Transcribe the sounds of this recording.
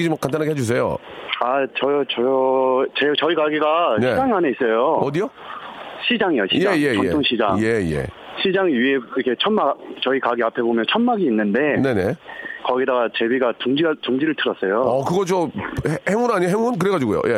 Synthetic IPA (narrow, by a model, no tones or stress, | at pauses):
id͡ʑimak͈ant̬͈anɦaɡeɦed͡ʑus̬ʰe̞jo̰ | at͡ɕʌt͡ɕʌt͡ɕet͡ɕʌikaɡiɡaneid͡ʑaŋaneis͈ʌjoʌdijo | ɕʰid͡ʑaŋijoɕʰjejeḛtʰoŋɕʰid͡ʑaŋjejḛ | ɕʰid͡ʑaŋiɥieikʰe̞t͡ɕʰʌnmat͡ɕʌikaɡiapʰe̞bomjʌnt͡ɕʰʌnmaɡiːnːɯnde̞ne̞ne̞kʌɡidaɡat͡ɕe̞biɡatuŋd͡ʑiatoŋd͡ʑiɾɯɭtʰɯɾʌs͈ʌjoʌkɯɡʌt͡ɕohheŋunaɲiaɦeŋunk̬ɯɾe̞ɡad͡ʑiɡujo̰jʔe̞